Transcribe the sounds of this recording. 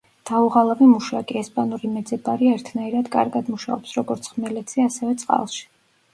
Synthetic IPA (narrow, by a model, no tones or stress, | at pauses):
d̪̥auʁalˠavimuʃaɡʼiɛspʼanuɾimɛd̪zɛbaɾiɛɾt̪ʰnaiɾad̪kʼa̰ɾɡad̪muʃa̰ɔpsɾɔɡɔɾt̪sʰχmɛlɛt̪sʰiasɛvɛt̪sʼqʼa̰lˠʃi̥